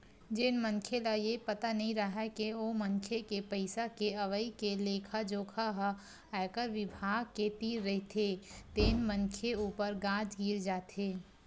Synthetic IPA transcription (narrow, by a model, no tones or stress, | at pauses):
d͡ʒɪnmənkʰelajepɐt̪anɐɦĩɾəɦakeoməŋkʰekepəɪsakeɐʋəikeleːkʰad͡ʒoːkʰaɦ | aɪkəɾʋɪbʱaːɡ̚ket̪iːɾːɐɦit̪ʰet̪eːnmənkʰeuːpəɾɡãːd͡ʒɡiːɾd͡ʒaːt̪ʰeː